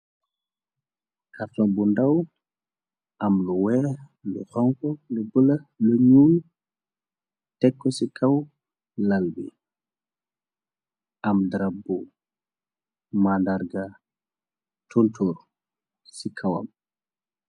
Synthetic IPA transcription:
kaɾtɔnbundaw | ʔamluwɛːlṵhɔŋkɔlubəlaluɲul | tɛkːɔsikʰaw | lalbḭ | ʔamdɾabu | mandaɾɡa | tʰontʰoːɾ | sikʰawa̰m

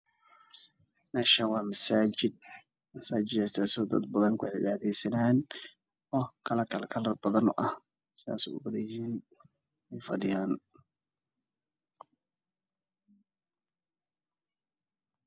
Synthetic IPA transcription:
nɛʃɐwɑːmɐsaːd͡ʒɪd̪̚ | mɐsaːd͡ʒɪd̪ɛst̪ʰasɔd̪ɐ̰d̪̚bɐðɐnkʰʊʕɪβaːðɛjsɐnaːn | ɔːkʰɐlɐkʰɐlɛkʰɐlɐrbɐðɐnɔ̰ːʔɐh | sɪða̰ːsɛ̰ʊ̰bɐðɐjhiːn | ɛjfɐɖɪjaːn

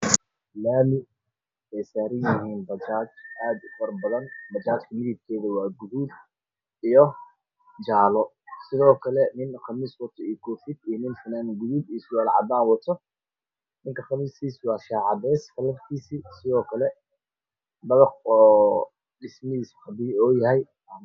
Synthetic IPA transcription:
laːmɪ | ɛjsaːɾɐjɪɦiːnbɐt͡ʃaːt͡ʃʔaːd̪ʊfɐrbɐðɐnbɐt͡ʃaːt͡ʃkʰɐmɪðɪb̚kʰɛːðɐwɑːɡʊðuːd̪ | ijɔ | d͡ʒaːlɔ | sɪðɔːkʰɐlɛnɪnχɑmiswɐt̪ʰɔiːjkʰɔːfɪd̪iːnɪnsɐnanɡʊðuːb̪iːswɑːlʕɑ̰d̪aːnwɐt̪ʰɔ | nɪŋkʰɐχɑmiːskiːswɑːʃaːʕɑdɛːskʰɐlɐft̪ʰiːsisɪðɔːkʰɐlɛ | bɐðɐqɔː | ɖɪsmɐiːsħɑbɪɔːjɐɦɛj

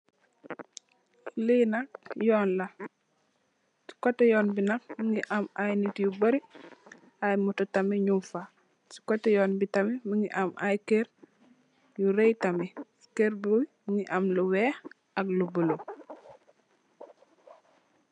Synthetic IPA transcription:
linak̚jɔːnlɐ | si̥kɔtːɛjɔːnbinak̚miŋɡiʔamajnitjubɐɾi | ajmutotamiɲumfa | si̥kɔtɛjɔːnbitamimuŋɡiʔamʔajkeɾ | juɾejtami̥ | keɾbuwmiŋiʔamluwɛx | ɐklubəlu

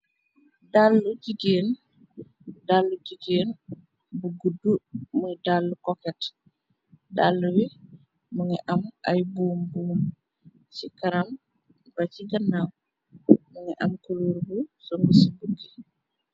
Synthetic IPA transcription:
dalːuɟiɡeːn | dalːuɟiɡeːn | buɡudumudalːukɔkɛt | dalːuwi | muŋɛʔɐmʔɐjbuːmbuːm | t͡ʃikɐɾɐm | bɐciɡɐnːaw | muŋɛʔɐmkuluːɾbusɔŋɡusibuɡi

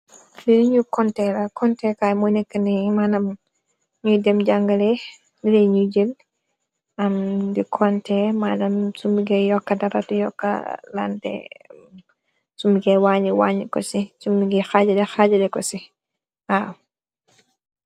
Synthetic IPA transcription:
didiɲukɔntɛlɐkɔntɛkajmɔnɛkːənimanɐm | ɲudɛmɟaŋɡɐlɛ | dilɛɲuɟil | ɐmdikʰɔntɛmaːnɐmsumbiɡɛjɔkːɐdɐɾɐtujɔkːɐ̰la̰ndɛ̰ | sumbiɡɛwaɲiwaːɲikɔ̰sisumbiɡɛxad͡ʒɐdɛxaɟɐdɛkɔsi | a

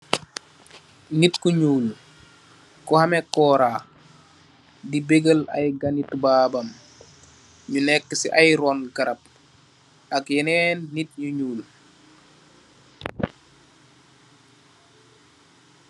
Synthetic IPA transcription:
nitkuɲuːl | kɔhamɛkːɔːɾaː | dibeɡəlɐ̰jɡanitbaːbɐm | ɲunɛkːəsḭʔajɾɔnɡɐɾɐp̚ | akjɛnɛːnːit̚ɲuɲuːl

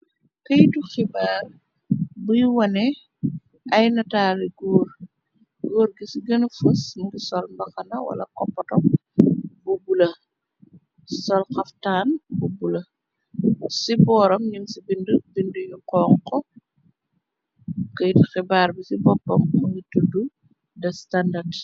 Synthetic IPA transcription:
kəjtuxibaːr | bujwɐnɛ | ʔɐjnɐtaːɾiɡɔːr | ɡoːɾɡisɡɐnfusndisɔlmbɐxɐnɐwɐ̰lɐ̰kɔpːɐtɔm | bubulɐ | sɔlxɐftaːnbubulɐ | sibɔːɾɐmɲimsibindubinduɲuqɔːŋkɔ | kəjtxɛbaːɾbisibɔpːɐmuɲitudu | dɐstandad

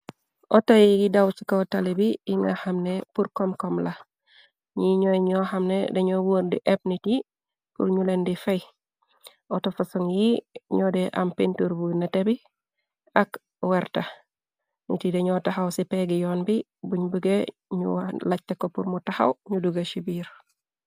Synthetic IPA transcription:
ʔotajiɡidawt͡ʃikatalibiiŋahamnepuɾkomkomla | ɲiɲoɲohamnedeɲowoɾdḭʔep̚niti | pṵɾɲulendifej | otofasoŋjiɲodɛʔa̰mpintuɾbunatebi | ak | wɛɾtɐ | nḭtideɲɔtaxawsipeɡijɔːnbi | buɲbəɡeɲṵlac̚tekopuɾmutaha̰wɲuduɡaʃibiːɾ

